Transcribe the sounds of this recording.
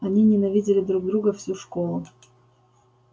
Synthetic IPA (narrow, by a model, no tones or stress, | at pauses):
ɐnʲinʲɪnɐvʲidʲɪlʲɪd̪ɾuɡ̚d̪ɾuɡəfsʲuʂkolˠʊ